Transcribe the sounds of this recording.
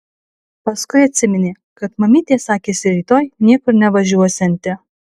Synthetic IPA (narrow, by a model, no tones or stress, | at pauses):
pɐskʊɪɐt̪ʲsʲɪmʲɪnʲeː | kɐt̪mɐmʲiːt̪ʲeːsɑːkʲeːsʲɪɾʲiːt̪oːjnʲiɛkʊɾnʲɛʋɐʒʲuɔsʲɛnʲt̪ʲɪ